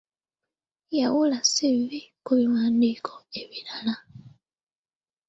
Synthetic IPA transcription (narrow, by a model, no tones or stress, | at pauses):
jawulasiβikuβiwaːndikʰɔeβilala